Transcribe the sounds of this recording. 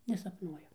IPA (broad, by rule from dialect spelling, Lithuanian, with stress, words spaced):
nʲɛsɐpˈnuɔjʊ